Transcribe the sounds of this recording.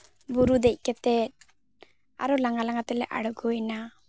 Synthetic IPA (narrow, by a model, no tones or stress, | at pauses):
buɾud̪ɛc̚ˀkɛt̪ɛt̚ | a̰ɾɔlaŋɡalaŋɡat̪ɛlɛʔa̰ɽɔɡojna